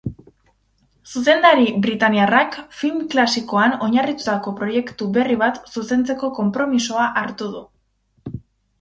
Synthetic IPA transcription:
suse̞nd̪aɾiβɾit̪aniarakfilmklasiko̞ano̞ɲarit̪ut̪ako̞pɾo̞je̞kt̪uβe̞riβ̞at̪suse̞nt͡se̞ko̞ko̞mpɾo̞miso̞aʔaɾt̪uðu

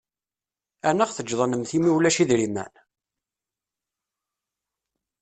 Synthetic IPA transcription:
ænəʁθəd͡ʒðˤɑnəmθimiwlæʃiðɾimæ̰n

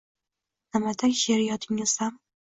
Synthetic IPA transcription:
nɪmad̪anʲʃeɾjɒt̪ʰɪŋɪz̥am

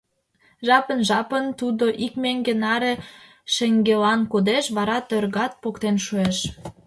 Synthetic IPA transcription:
ʒɑpənʒɑpənt̪ud̪oʔikmeŋɡenɑɾe | ʃeŋɡelɑnkud̪eʃβɑɾɑt̪ørɣɑt̪̚pokt̪enʃueʃ

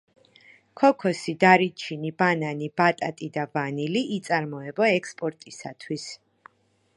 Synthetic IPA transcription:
kʰɔkʰɔsid̪aɾit͡ʃʰinibananib̥at̪ʼat̪ʼid̪avaniliʔːt̪sʼaɾmɔɛbɔɛkspʼɔɾt̪ʼisa̰t̪ʰwis

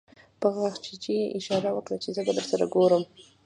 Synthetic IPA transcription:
pəɣwaxt͡ʃed͡ʒijeʔɪʃɑɾawəkɽat͡ʃezəbad̪əɾsaɾa̰ɡoɾəm

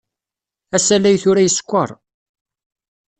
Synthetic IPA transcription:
æsælːæjθʊɾæjəskʷːə̰ɾˤ

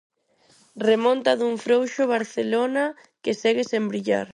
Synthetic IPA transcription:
remõnt̪ɐðuŋfɾowʃʊβ̞aɾθelonɐ | kesɛɣɪsembɾiʎa̰ɾ

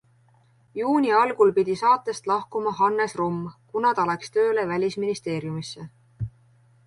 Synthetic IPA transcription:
juːnʲiɑlɡ̥ulpid̪̥ʲisɑːt̪ːˑe̞st̪lɑhkumɑɦɑnːesrumːkunɑt̪ɑlekst̪ø̞ːlevælʲisminist̪e̞ːɾjumisːe̞

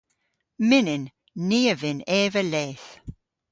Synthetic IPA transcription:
mɪnɪnː | iːəvɪnɛːvəleːθ

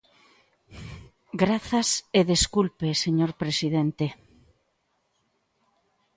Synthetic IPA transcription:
ɡɾaθaseðeskulpeseɲoɾpɾesiðent̪e

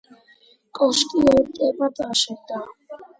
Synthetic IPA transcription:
kʼɔʃkʼiɔt̪ʼɛpat̪ʼaʃɛt̪a

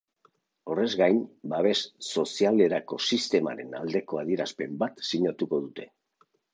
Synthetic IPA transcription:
o̞re̞zɣajnbaβ̞e̞sːo̞siale̞ɾako̞sist̪e̞ma̰ɾe̞̰na̰ld̪e̞ko̞að̞iɾaspe̞mbat̪siɲat̪uko̞ðut̪e̞

